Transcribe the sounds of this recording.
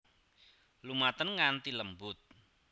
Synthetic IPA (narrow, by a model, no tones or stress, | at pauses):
lumat̪ənŋant̪iləmbʊt̪̚